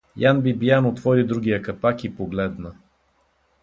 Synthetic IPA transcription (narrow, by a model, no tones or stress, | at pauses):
janbibjanot̪vɔɾid̪ɾuɡ̟ʲijəkɐt̪akipoɡlɛd̪nə